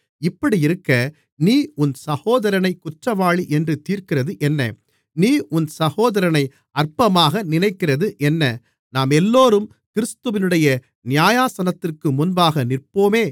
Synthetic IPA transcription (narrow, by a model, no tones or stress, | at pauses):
ɪpːɐɽiɪɾɯkːɐ | niːʊnsɐɣoːðɐɾɐnɐɪkːʊʈrɐʋaːɭiʔɛndrɯt̪iːrkɪrɐðɯʔɛnːɐ̰ | niːʔʊnsɐɣoːðɐɾɐnɐɪ | ɐrpɐmaːɣɐnɪnɐɪkːɪrɐðɯʔɛnːɐ | naːmɛlːoːɾɯm | kɪɾɯst̪ɯʋɪnɯɽɐjɐ | nɪjaːjaːsɐnɐt̪ːɪrkɯmʊnbaːɣɐnɪrpoːmeː